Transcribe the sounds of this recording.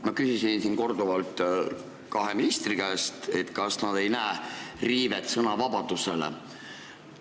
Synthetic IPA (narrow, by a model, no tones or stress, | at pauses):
mɑkysisinsinko̞rd̪̥uvɑlt̪ˑ | kɑɦe̞minist̪rikæst̪e̞t̪kɑsnɑd̪̥e̞jnæeriːve̞t̪sɤnɑvɑb̥ɑd̪̥use̞lḛ